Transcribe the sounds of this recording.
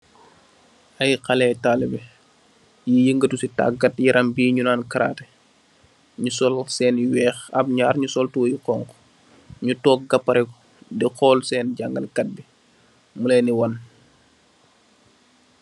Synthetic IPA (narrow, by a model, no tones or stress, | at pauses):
ʔɐjqɐlɛtaːlɛbɛ | jijəŋɡətusita̰k̚ɡɐt̚jiɾʔɐmbiːɲunaːnkaɾa̰ːtɛ | ɲusɔlsɛːnwɛːxɐ̰b̚ɲaːɾɲusɔltujikɔːŋkɔ̥ | ɲutɔːk̚ɡɐpːɐɾɛkɔ̥ | diqɔːlsɛːnɟaŋɡɐ̰lkɐt̚bi | mulɛniwɐn